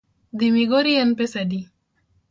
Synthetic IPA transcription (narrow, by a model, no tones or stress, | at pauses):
d̪imiɡoɾiɐnpesɐdi